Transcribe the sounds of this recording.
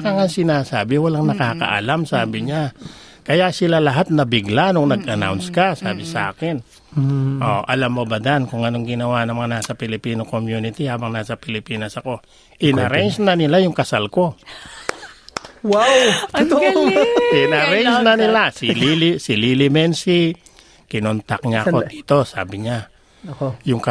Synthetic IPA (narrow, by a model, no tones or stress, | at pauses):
kɐŋasɪnaːsaːbɪwɐlaŋnɐkaːkɐ̰ʔɐ̰lamsaːbɪɲa | kɐjasɪlalɐɦat̪̚nɐbɪɡlanoŋnɐɡʔɐna̰wnskasa̰ːbɪsa̰ːkɪn | ʔoʔɐlamːo̞bɐd̪ankʊŋɐno̞ŋɡɪnɐwanɐŋmɐŋanaːsɐpɪlɪpiːnokomjuːnɪt̪ihaːbɐŋnaːsɐpɪlɪpiːnɐsɐko̞ | ʔɪnɐɾɛnsnɐnɪlajʊŋkɐsalko̞ | waw̪ | ɪnɐɾɛnsnɐnɪlasɪlilɪsɪliːlɪmɛnsi | kɪnont̪ak̚ɲaɐo̞̥iːt̪o̞sa̰ːbɪɲa | jʊŋkɐ